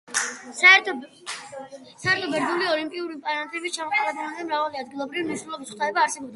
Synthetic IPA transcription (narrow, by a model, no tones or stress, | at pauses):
saɛt̪ʰɔ | saɛɾt̪ʰɔbɛɾd̪uliɔlimpʼiuɾipʼaɾant̪ʰʼɛbist͡ʃʰamɔχaɾab̪nad̪ɛmɾavaliad̪ɡilˠɔbɾiviniʃnɛlˠɔbisχʰt̪ʰaɛbaːɾsɛbɔb̚d̪